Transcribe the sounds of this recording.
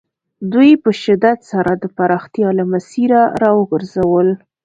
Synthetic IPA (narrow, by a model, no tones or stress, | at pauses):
d̪ujpəʃɪd̪at̪saɾad̪əpaɾɑxt̪jɑlamasiɾaɾɑwəɡəɾzawəl